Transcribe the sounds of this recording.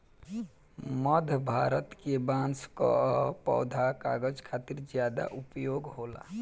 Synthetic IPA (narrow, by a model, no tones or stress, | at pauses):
məd̪ʱbʱaːɾət̪kebãːnsko̰pɔ̰ːd̪ʱaka̰ːɡəd͡ʒkʰaːt̪iɾd͡ʒjaːd̪a̰ʔʊpjoːɡɦoːla̰